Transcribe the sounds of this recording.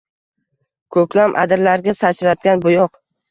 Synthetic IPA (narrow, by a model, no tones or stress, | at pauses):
kʰɵkʲlamʔa̰d̪ɪɾlaɾɡʲasat͡ʃʰɾat̪̚ɡʲanbʊjɒq